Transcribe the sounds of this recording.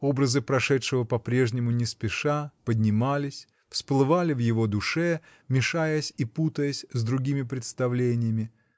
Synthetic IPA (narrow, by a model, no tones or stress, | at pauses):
o̞bɾəzɨpɾɐʂɛtʂɨvəpɐpɾʲe̞ʐnʲɪmʊnʲɪspʲɪʂapədʲnʲɪmalʲɪsʲ | fsplˠɨvalʲɪvjɪvod̪ʊʂɛ | mʲɪʂajəsʲiput̪əjəsʲzd̪ɾʊɡʲimʲɪpɾʲɪt̪st̪ɐvlʲenʲɪjəmʲɪ